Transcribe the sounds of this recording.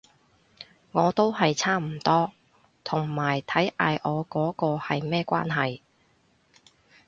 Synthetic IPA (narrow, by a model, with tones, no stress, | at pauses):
ŋɔː˨˧t̪o˥whɐ˨jt͡sʰaː˥m̩˨˩t̪ɔː˥ | t̪ʰʊ˨˩ŋmaː˨˩jt̪ʰɐ˨˥jʔaː˨˧jʔɔː˨˧kɔː˨˥kɔː˧hɐ˨jmɛː˥kʷa̰ː˥nɦɐ˨j